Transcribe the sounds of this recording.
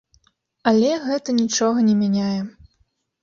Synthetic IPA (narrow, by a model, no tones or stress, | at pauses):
ɐlʲɛɣɛt̪ɐnʲit͡ʂɔɣɐnʲɛmʲanʲajɛ